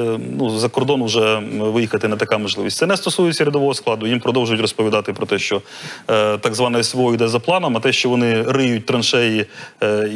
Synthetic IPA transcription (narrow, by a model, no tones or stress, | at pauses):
nuzɐkɔrd̪ɔnwʒɛʋɪjixɐt̪ɪnɐt̪ɐkamɔʒlɪʋʲisʲsɛnɛst̪ɔsujɪt͡sʲːɐɾʲɪd̪ɔʋɔɦɔsklˠɑd̪ʊjimpɾɔd̪ɔwʒʊjʊtʲrɔspɔʋʲid̪ɑt̪ɪpɾɔt̪ɛʃt͡ʃɔ | t̪ɑɡzʋɑnɐjɐsʋɔɔid̪ɛzɐplˠɑnɐmɐt̪ɛʃt͡ʃɔʋɔnɪrɪjʊt̚ʲt̪ɾɐnʃɛji